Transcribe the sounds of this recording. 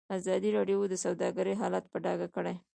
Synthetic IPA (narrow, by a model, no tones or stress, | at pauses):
azɑd̪iɾɑɖjod̪əsawd̪ɑɡəɾeɦɑlat̪̚pəɖɑɡakəɽaj